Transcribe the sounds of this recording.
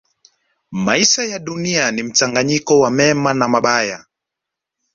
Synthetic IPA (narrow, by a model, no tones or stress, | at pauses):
maiʃajaɗunianim̩t͡ʃaŋɡaɲikɔwamɛmanamaɓaja